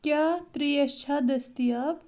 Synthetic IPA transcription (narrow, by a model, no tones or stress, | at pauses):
kʲjaːt̪ɾijɐt͡ʃʰad̪ɐst̪ijab